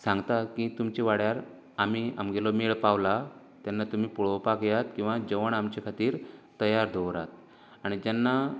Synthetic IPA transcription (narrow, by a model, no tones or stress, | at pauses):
sãŋɡt̪akit̪umt͡ɕiʋaɽjaɾ | am̤ia̰mɡelɔmeɭpaʋla | t̪janːat̪um̤iːpuɭɔpakjat̪kĩw̃ʋad͡ʑəʋəɳamt͡ɕekʰat̪iːɾt̪əjaɾd̪ʱɔʋɾa̰t̪̚ | aɽ̃id͡ʑanːa